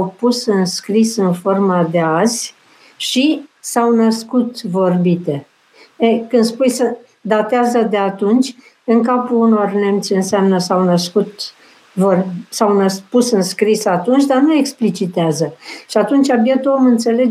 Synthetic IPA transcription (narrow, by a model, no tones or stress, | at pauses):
wpusɨnskɾisɨnfo̞rmad̪e̞azʲ | ʃisawnəskut̪vo̞rbit̪e̞ | ekɨnd̪spujsə | d̪at̪eazəd̪e̞at̪unt͡ʃʲ | ɨŋkapuːno̞rnemt̪sʲɨnseamnəsawnəskut̪ | vorsawnəspusɨnskɾisat̪unt͡ʃʲd̪arnue̞ksplit͡ʃit̪eazəʃiat̪unt͡ʃʲabjet̪omɨnt̪se̞le̞